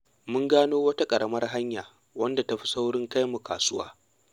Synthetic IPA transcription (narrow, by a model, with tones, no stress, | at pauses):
mʊ˦ŋɡaː˦noː˦wɐ˦ta˦kʼɐ˨ɽʔɐ˦mɐ˦rɦa˦ɲjaː˨ | wɐ˦nda˨ta˦ɸi̥˦sa˦wɽɪ˦ŋka˦jmu˨ka̰ː˨sʊ˦wa̰ː˦